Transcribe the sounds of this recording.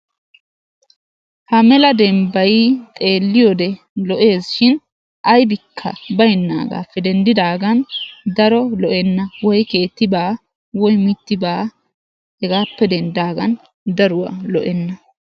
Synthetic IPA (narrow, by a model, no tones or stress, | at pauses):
hɐmɛlɐd̪ɛmbɐjt̪ʼe̞ːlːɪjɔd̪ɛ | lɔʔe̞ːsʃɪn | ʔɐjbɪkʰːɐ̰bɐjnːa̰ːɡa̰ːpːɛd̪ɛnd̪ɪd̪aːɡɐnd̪ɐɾɔlɔʔɛnːɐwɔjke̞ːt̪ːɪbaː | wɔjmɪt̪ːɪbaː | hɛɡaːpːɛd̪ɛnd̪aːɡɐn | d̪ɐɾʊwa̰lɔʔɛnːɐ